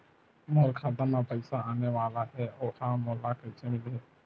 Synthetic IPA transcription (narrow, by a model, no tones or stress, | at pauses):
moːlkʰaːd̪ənapəɪsaaːneʋaːlaɦɛːoːhaːmoːlakət͡ʃemɪlɦɛː